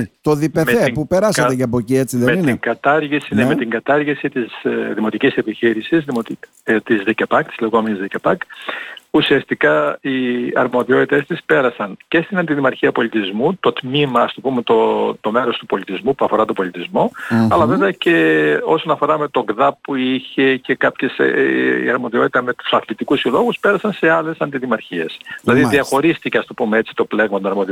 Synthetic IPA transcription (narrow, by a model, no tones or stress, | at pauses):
t̪o̞ðipemepupe̞ɾɐsɐecɐɐpo̞cie̞t͡siðemeninŋɡɐt̪ɐɾʝisinemet̪iŋɡɐt̪ɐɾʝisit̪isðimo̞t̪icise̞piçiɾisizðimot̪ | t̪izðecepɐk̚t̪i̥zleɣo̞me̞nizðecepɐk | usiɐst̪ikɐiɐ̰ɾmo̞ðio̞t̪it̪e̞st̪ispe̞ɾɐsɐnce̞st̪inɐnd̪iðimɐɾçiɐpo̞lit̪izmut̪o̞t̪mimɐːst̪o̞pume̞t̪ot̪o̞me̞ɾo̞st̪upo̞lit̪izmupuɐfo̞ɾɐt̪obo̞lit̪izmo̞ɐlɐveveɐce̞o̞so̞nɐfo̞ɾɐme̞t̪o̞ɡðɐpːuiçe̞ce̞kɐpçe̞sḭɐɾmo̞ðio̞t̪i̥t̪ɐme̞t̪u̥sɐθlit̪ikusilo̞ɣuspe̞ɾɐsɐnse̞ɐle̞sɐnd̪iðimɐɾçie̞sðilɐðiðiɐxo̞ɾist̪iceɐst̪opumeet͡si̥t̪o̞ple̞ɣmɐt̪onɐɾmo̞ði